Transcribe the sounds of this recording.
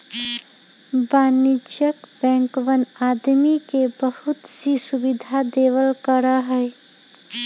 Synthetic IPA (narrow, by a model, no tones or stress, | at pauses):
baːnid͡ʒjəkbɛ̃ŋkʋənad̪mikebəhut̪sisubid̪ʱad̪eʋəlkəɾəɦəj